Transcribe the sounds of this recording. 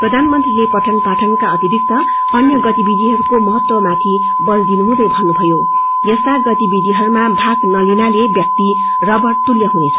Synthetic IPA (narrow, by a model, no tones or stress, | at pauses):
prʌd̪ʱanmʌnt̪rilepʌʈʰʌnpaʈʰʌnkaʌt̪ibʱik̚t̪ʌ | bʌnjʌɡʌt̪ibid̪ʱiɦʌɾukomʌɦʌt̪wʌmat̪ʰi | bʌld̪inuɦũd̪ʌjbʱʌnːubʱʌjo | jʌst̪aɡʌt̪ibid̪ʱiɦʌɾumabʱaɡnʌlinalebjʌk̚t̪i | rʌbʌrt̪uljʌɦunet͡sʰʌ̥